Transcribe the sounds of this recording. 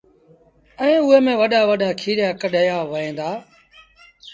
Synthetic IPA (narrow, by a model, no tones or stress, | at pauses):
ɛ̃ːʊɦeːmẽːʋəɗaːʋəɗaːkʰiːɗjaːkəɗəjaːʋəẽːd̪aː